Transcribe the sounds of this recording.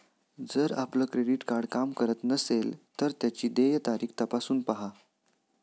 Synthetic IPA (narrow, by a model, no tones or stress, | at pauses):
d͡zəɾa̰pləːkɾeɖiʈkaɾɖkamkəɾət̪nəselt̪əɾt̪jat͡ɕiːd̪ejət̪aɾiːkʰt̪əpasuːnpaɦa